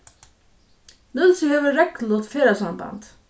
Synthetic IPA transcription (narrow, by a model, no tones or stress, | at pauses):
nɪlsɪheːʋəɾɛklɔt̪feːɾasamba̰nt̪